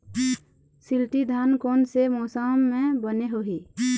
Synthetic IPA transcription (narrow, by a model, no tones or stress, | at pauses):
sɪlʈid̪ʱankɔːnsemɔːsaːmːẽbəneɦoɦiː